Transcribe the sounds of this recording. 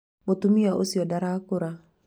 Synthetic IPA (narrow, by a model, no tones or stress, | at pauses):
mot̪umiaʔosiodaɾakuɾa